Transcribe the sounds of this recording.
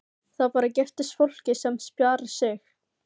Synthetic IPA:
θapaːɾacɛft̪ɪst̪fowl̥cɪsɛmspjaːɾɪ̥sɪx

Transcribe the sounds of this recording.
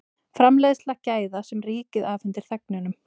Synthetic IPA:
fɾamlejðslacaːjðasɛmriːcɪðavʏnt̪ɪɾ̥θɛk̚nʏnʏm

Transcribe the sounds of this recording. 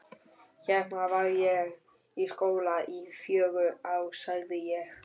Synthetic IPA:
çɛhavaɣjɛ | iskoːwlaʔifjœːɣʏawsaɣðɪjɛx

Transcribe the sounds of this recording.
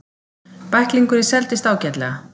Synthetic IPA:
pahkliŋkʏɾɛ̥sɛlt̪ɪst̪aːwcɛt̪lɛ̰ɣa

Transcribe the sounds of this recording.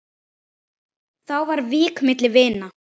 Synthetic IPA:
θawvaɾviːkmɪt̪lɪvɪːna

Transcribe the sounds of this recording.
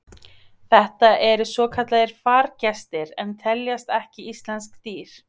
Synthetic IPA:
θɛht̪aʔɛɾʏsɔːkʰat̪laðɪɾ̥faːɾcɛst̪ɪɾɛmt̪ʰɛljast̪ɛhcɪist̪lɛnskt̪iːɾ̥

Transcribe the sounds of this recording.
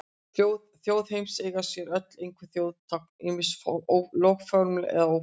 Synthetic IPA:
ow | θjoːwðhejmseːjɣḁsjɛɾœt̪lejŋkʰvɪ̥θjoːwðt̪ʰak̚nɪmɪslowkfɔɾmlɪ̰ɛ̰ðaow

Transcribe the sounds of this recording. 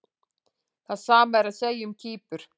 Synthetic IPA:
θaðsaːmaɛɾaðseːjʏmcʰiːpʏɾ̥

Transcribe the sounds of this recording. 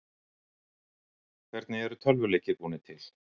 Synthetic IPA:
kʰvɛɾt̪̚nɪɛɾʏt̪ʰœlvʏleːjcɪkuːnɪt̪ʰɪl̥

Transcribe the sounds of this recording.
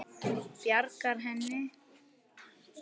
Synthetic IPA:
pjaɾkaɾɦɛnːɪ

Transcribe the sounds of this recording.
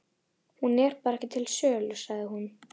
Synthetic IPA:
hunɛɾ̥paːɾaɛhcɪt̪ʰɪlsœːlʏsaɣðɪhun

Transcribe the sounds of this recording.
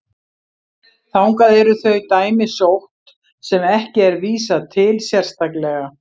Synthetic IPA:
θawŋkaðɛɾʏθœɥt̪aːjmɪsowht̪ | sɛmɛhcɪɛɾviːsat̪ʰɪlsjɛr̥st̪aklɛɣa

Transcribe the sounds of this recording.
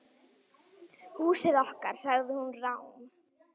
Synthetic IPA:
huːsɪðɔhkaɾ̥saɣðɪhunrawn

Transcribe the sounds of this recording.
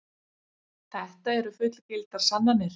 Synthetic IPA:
θɛht̪aɛɾʏfʏht̪lcɪlt̪aɾ̥sanːanːɪɾ̥

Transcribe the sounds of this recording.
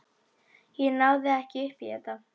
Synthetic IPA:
jɛnaːwðɪɛhcɪʏhpiɛt̪a

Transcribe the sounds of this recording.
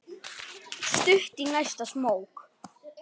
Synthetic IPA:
st̪ʏht̪inajst̪asmoːwk

